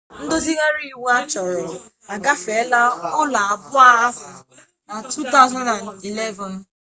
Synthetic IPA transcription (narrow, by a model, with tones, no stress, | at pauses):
n̩˦dʊ˦zi˦ɣa˦ɾi˦˨wu˦a˦t͡ʃɔ˨ɾɔ˨ | a˨ɡa˦fe˨˦la˦ʊ˦la˨a˨bʊ˦a˦a˦ɦʊ˨ | na˨tʰu˦ta˦ʊ˦za˦na˨ni˨le˦vɔ˨n̩˦